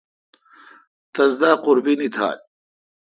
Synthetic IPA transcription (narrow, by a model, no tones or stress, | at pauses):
t̪ɐzd̪aːqʊɾbinit̪ʰa̰ːl